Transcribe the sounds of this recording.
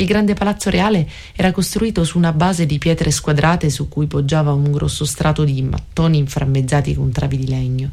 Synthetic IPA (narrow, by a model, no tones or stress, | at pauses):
ilɡɾand̪epalat̪sːoɾʔeaːle | ɛːɾakost̪ɾuiːt̪osuːnabaːzed̪ipjɛːt̪ɾeskwad̪ɾʔaːt̪esukːujpod͡ʒːaːvauŋɡɾɔ̰sːost̪ɾʔaːt̪od̪imʔa̰t̪ːoːniːɱfɾamːedd͡ʒːaːt̪ikont̪ɾa̰ːvid̪ilɛɲːo